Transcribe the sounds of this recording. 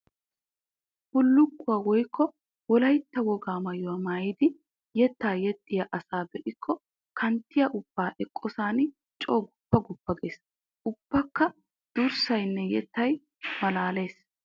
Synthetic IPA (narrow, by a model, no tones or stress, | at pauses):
hʊlːʊɡːʊwɐwɔjkʰːɔ | wɔlɐjt̪ːɐwɔɡaːmɐjʊwɐmaːjɪd̪ɪ | jɛt̪ːaːjɛt̪ʼːɪjɐʔɐsaːbɛʔɪkʰːɔ | kʰɐnt̪ːɪjɐʔʊb̥ːaːʔɛkʼːɔsaːn | t͡ʃʼoːɡʊpːɐɡʊbːɐɡe̞ːs | ʔʊb̥ːɐkːɐ | d̪̥ʊɾsɐjnːɛjɛt̪ːɐj | mɐlaːle̞ːs